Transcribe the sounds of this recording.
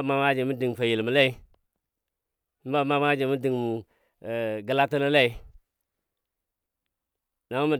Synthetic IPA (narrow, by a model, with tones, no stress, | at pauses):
ma˦ma˦d͡ʒi˨mu˦di˨ŋ˨fa˨ji˨lmu˨la˦i˦ | ba˦ma˦m˦a˦d͡ʒi˨mu˦di˨ŋmu˨ | ɡə˨la˦tə˦la˦la˦i˨˦ | na˨mu˦mu˨